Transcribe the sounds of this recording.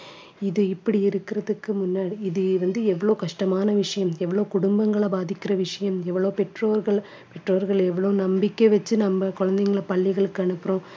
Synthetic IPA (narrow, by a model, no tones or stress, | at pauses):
ɪðɯɪpːɐɽiɪɾɯkːɪɾɐðɯkːɯmʊnːaːɽiɪðɯʋɐnd̪ɯɛʋːɐɭoːkɐʂʈɐmaːnɐʋɪʂɐjɐmɛʋːɐɭoːkʊɽʊmbɐŋɡɐɭɐbaːðɪkːɪrɐʋɪʂɐjɐmɛʋːɐɭoːpɛʈroːɾɣɐɭ | pɛʈroːɾɣɐɭɛʋːɐɭoːnɐmbɪkːɐʋɐt͡ʃːɯnɐmːɐkɔɻɐnd̪ɐŋɡɐɭɐpɐɭːɪɣɐɭɯkːɯɐɳɯpːɯɾõː